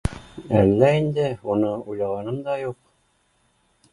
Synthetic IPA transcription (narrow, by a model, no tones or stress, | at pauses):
æ̰lːæind̪ɘunɤujlˠɑʁɑnɤmd̪ɑjuq̚